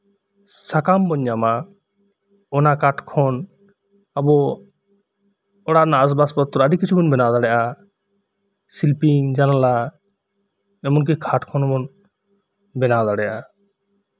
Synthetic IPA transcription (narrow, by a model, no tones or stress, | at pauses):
sakambɔɲːama | ɔnakaʈkʰɔnː | bɔ | ɔɽaʔnaas̬baspɔt̪ɔɾaɖikːit͡ʃʰubɔnbɛnawd̪aɽɛʔa | silpiŋd͡ʒanala | ɛmɔnk̬ɛkʰaʈkʰɔnmɔn | bɛnawd̪aɽɛjʔa